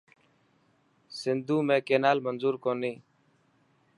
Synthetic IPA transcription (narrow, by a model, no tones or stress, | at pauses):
sɪnd̪uːmẽːkeːnaːlmənzuːɾkoːniː